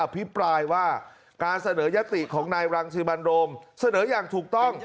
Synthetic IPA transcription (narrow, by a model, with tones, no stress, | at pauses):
a˧pʰi˦˥pɾaː˧jwaː˥˩ | kaː˧nsa˧nɤː˩˦ja˦˥t̪i˨˩kʰɔː˩˦ŋnaː˧jɾaː˧ŋsʰiː˧ma˧nɾoː˧msa˧nɤː˩˦jaː˨˩ŋt̪ʰuː˨˩k̚t̪ɔ˥˩ŋ